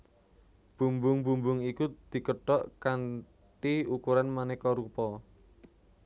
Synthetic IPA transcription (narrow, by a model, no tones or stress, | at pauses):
b̥ṳmbʊŋbumbʊŋikud̪̥i̤kəɖ̥ɔʔkan | ʈiukuɾanmanɛkɔɾupɔ